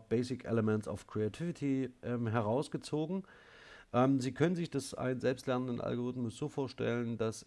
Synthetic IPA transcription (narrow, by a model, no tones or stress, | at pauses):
b̥ɛɪsɪkʔɛ̰ləmɛntt͡sa̰ʊfkʁ̥eatʰɪvɪtʰiʔɛmɦɛɐʁ̞aʊsɡ̥ət͡soːɡŋ̩ | ʔɛːmziːkʰœnənzɪçd̥ɛsʔa̰ɪnənzɛlpstlɛɐnəndənʔa̰lɡoʁ̞ɪtmʊsz̥oːfoːɐʃtɛ̰ləndas